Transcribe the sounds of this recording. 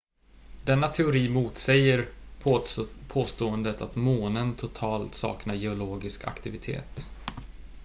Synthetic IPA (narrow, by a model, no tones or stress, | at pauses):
d̪̥ɛnːat̪ʰɛʊɾiːmuːt̪sɛjəɾ | pʰoːst̪oːənd̪ət̪at̪moːnənt̪ʰʊt̪ʰɑːlt̪sɑ̰ːknajɛʊloːɡɪskʰa̰kt̪ɪvɪt̪ʰḛːt̪